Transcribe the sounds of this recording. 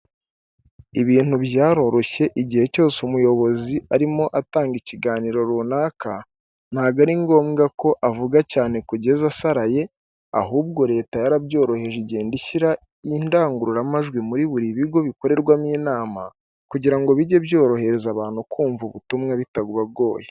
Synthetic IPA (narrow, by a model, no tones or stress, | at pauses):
iβiːnhubjaːɾo̞ɾo̞çe̞ʔiɟihe̞co̞ːseumujo̞βo̞ziʔaɾimo̞ʔataːŋɡiciɡaːniːɾo̞ɾuːnaːka | n̥haːɡaɾiŋɡo̞ːmɡako̞ʔavuɡacaːne̞kuɟe̞zasaɾaje̞ | a̰ɦuːb̚ɡo̞ɾe̞ːtajaɾabjo̞ːɾo̞he̞ʒiɟeːndiʃiɾa | indaːŋɡuɾuɾamaʒɡwimuɾiβuɾiβiɡo̞βiko̞ɾe̞ɾɡwamiːnaːma̰ | kuɟiɾaŋɡo̞βiɟe̞bjo̞ːɾo̞he̞ɾe̞zaβaːn̥hukʰuːɱvuβutumŋeβitaɡuβabɡo̞ːje